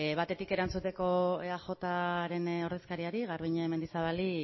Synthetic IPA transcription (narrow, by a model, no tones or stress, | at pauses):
βat̪e̞t̪ike̞ɾant͡sut̪e̞ko̞eaxo̞t̪aɾe̞no̞ɾð̞e̞skaɾiaɾiɣaɾβiɲaeme̞nd̪isaβali